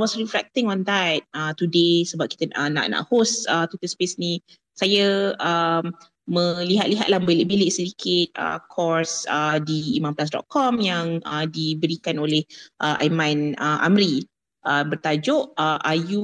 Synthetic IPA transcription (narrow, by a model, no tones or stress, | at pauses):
wɔsriflɛ̰k̚t̪ɪ̃ŋɔ̃nd̪ɛt̚ət̪udesəbap̚kit̪əəna̰ʔna̰ʔhosət̪ut̪əspesnĩ | sajaəm | mə̃liɦat̪̚liɦa̰t̪̚lahbeleʔbelɪʔsədikʰɪt̪̚ə̰kʰɔɹsədiːmãmplas̬dɔ̰t̪̚kʰɔmjaŋədibəɾikanolehʔəʔa̰jmãnəʔa̰mɾi | ʔəbərt̪ad͡ʒʊʔəʔaju